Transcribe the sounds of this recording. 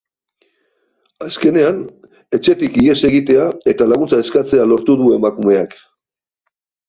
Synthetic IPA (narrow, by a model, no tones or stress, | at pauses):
aske̞ne̞an | e̞t͡ʃe̞t̪ikie̞se̞ɣit̪e̞ae̞t̪alaɣ̞unt͡sae̞skat͡se̞alo̞ɾt̪uðue̞makume̞ak